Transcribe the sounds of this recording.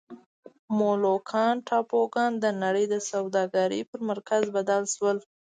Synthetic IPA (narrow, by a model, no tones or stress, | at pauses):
molokʰɑnʈʰɑpoɡɑnd̪ənaɽəjd̪əsawd̪ɑɡaɾḭpəɾmaɾkazbad̪alʃwəl